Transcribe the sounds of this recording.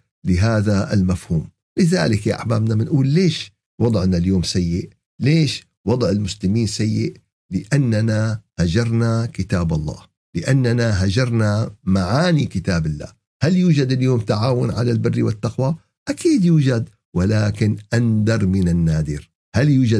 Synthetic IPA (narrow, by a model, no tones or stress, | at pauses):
lɪɦaːðaɪlmafhuːm | lɪða̰ːlɪkjaʔaħma̰ːmnamɪnʔuːlːeːʃ | wɑd̪ˤʕnaljoːmsajːɪʔ | leːʃ | wɑd̪ˤʕɪlmʊslɪmiːnsajːɪʔ | lɪʔanːanahad͡ʒɑɾˤnakɪt̪aːbɑlˤːɑ̰ːh | lɪʔanːanaɦad͡ʒɑɾˤnamaʕaːnikɪt̪aːbɪlːa̰ː | haljuːd͡ʒad̪ɪljoːmt̪aʕaːwʊnʕalalbɪrːiwɪt̪ːɑqwa | ʔakʰiːd̪juːd͡ʒad̪ | wɪlaːkɪnʔand̪ɑɾˤmɪnanːaːd̪ɪɾ | haljuːd͡ʒa